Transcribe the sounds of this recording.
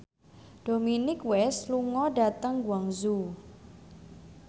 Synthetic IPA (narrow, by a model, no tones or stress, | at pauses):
ɖ̥o̤minɪkwɛsluŋɔɖat̪əŋɡwaŋzu